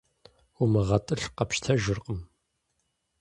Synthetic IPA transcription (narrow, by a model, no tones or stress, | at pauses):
umɨʁɐtʼɨɬqɐpʃtʰɐʒɪrqʼəm